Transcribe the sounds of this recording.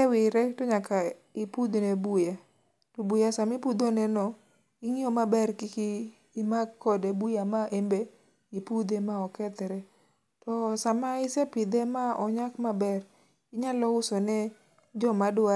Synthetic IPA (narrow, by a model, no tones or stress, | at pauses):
ɛwɪɾɛtoɲakaipud̪nebuja | tobujasamipud̪onɛnɔ | ɪŋɪɔmabɛrkɪkiː | maɡkːɔdɛbujamaʔembe | ipud̪emaɔkɛt̪ɛɾɛ | tɔsamaisɛpɪd̪emaɔɲakmabɛr | ɪɲalɔʊsɔnɛ | d͡ʒɔmada